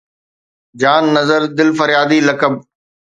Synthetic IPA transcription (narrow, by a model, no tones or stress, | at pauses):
d͡ʑaːnːɐzəɾd̪ɪlfəɾjaːd̪iːlɐkəb̚